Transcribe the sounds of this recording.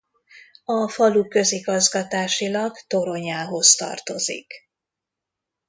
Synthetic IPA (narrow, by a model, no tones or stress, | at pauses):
ɒfɒlukø̞ziɡɒzɡɒt̪aːʃilɒɡt̪o̞ɾo̞ɲaːɦo̞st̪ɒ̰rt̪o̞zḭk